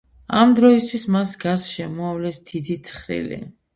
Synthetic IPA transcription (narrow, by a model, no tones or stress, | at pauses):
amd̪ɾɔist̪ʰwismasɡasʃɛmɔavlɛsd̪̥id̪it̪sʰχɾḭlḭ